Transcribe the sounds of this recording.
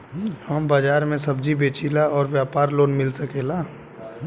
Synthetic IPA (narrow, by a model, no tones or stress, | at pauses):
həmbad͡ʒaːɾmẽsəbd͡ʒibeːt͡ʃilaɔːɾʋjaːpaːɾloːnmɪlsəkeːlaː